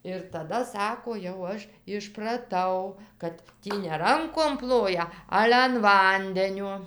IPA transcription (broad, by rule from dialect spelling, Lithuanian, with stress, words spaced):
ɪr tɐˈdɐ ˈsɑːkoː jɛʊ ˈɐʃ ɪʃprɐˈtɐʊ kɐt ˈtʲiː nʲɛ ˈrɐŋkoːm ˈplˠoːjɛ ˈɑːlʲɛ ɐn ˈʋɐnʲdʲɛnʲuɔ